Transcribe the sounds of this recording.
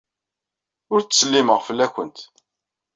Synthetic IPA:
ʊɾt͡sːsəlːiməʁfəlːækʷənt̪

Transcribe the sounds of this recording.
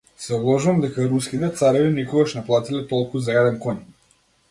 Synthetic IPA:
sɛɔblˠɔʒuvamd̪ɛkaɾuskit̪ɛt̪saɾɛvinikɔɡaʃnɛplˠat̪ilɛt̪ɔlˠkuzaɛd̪ɛnkɔɲ

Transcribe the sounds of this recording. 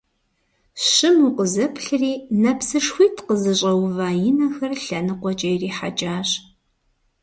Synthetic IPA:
ɕɪmuqəzɐpʰɬɨriːnɐpsɨʂxʷiːtʰqəzɨɕʼɐwvaːjɪnɐxɐrɬɐnɨqʷɔt͡ʃʼɐjriːħat͡ʃʼaːɕ

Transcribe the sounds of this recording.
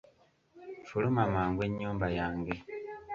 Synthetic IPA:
fulumamaːŋɡwe̞ɲːuːmbajaːŋɡe

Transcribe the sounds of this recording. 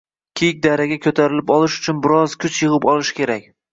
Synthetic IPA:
kʲʰejk̚ʲd̪aɾaɡʲakʲʰɵt̪ʰaɾɪlɪpɒlˠɪʃʊ̥t͡ʃʰʊnbɪɾɒzkʲʰʊt͡ʃʰjɨʁɨpɒlˠɪʃkʲʰe̞ɾakʲ

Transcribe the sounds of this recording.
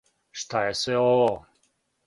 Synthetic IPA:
ʃt̪ajesʋeoʋo

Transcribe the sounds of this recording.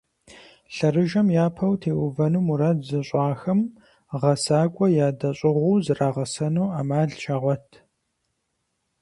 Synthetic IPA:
ɬɐrɨʒɐmjaːpʰɐwtʰeːʔʊvɐnuːmuɾɐzɨɕʼɑːxɐm | ʁɐsaːkʷʼɔjaːdɐɕʼɪʁʷuːzɨraːʁɐsɐnuːaːmaːɮʃʰaʁʷɔtʰ

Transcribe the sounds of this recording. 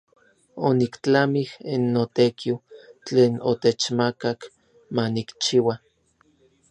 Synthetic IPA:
onikt͡ɬamihinːot̪ekʰiwt͡ɬeːnot̪et͡ʃmakak | manikt͡ʃiwa

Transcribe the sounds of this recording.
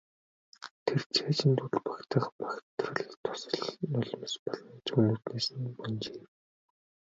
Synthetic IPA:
t̪ʰert͡ɕʰeːt͡ɕʰint̪uɮpḁkt̪ə̆χpḁkt̪rə̆ɮt̪ʰʊ̥sɞ̆ɮnɔɮɞ̆m̆spɔɮɞ̆nt͡ɕunuːrt̪neːsɘ̆npɔnt͡ɕeːm

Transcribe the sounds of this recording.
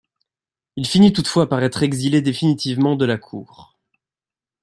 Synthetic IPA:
ilfinit̪ut̪fwapaʁɛt̪χeɡziled̪efinit̪ivmɑ̃d̪əlakʰṵːʁ

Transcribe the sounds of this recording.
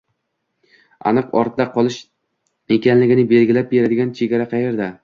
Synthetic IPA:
a̰nɨqɒ̰ɾt̪d̪aqʰɒlˠɪʃ | ekʲʰanlɪɡʲɪnɪbe̞lɡʲɪlap̚be̞ɾad̪ɪɡʲant͡ʃʰe̞ɡʲaɾaqʰɑje̞ɾd̪a

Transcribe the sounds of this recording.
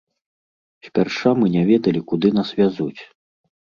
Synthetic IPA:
sʲpʲarʂamɨnʲavʲɛd̪ɐlʲikud̪ɨnasvʲazut͡sʲ

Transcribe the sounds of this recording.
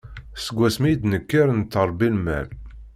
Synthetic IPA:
səɡʷːæsmijd̪nəkːəɾnt̪ːəɾˤbilmæ̰ɾ

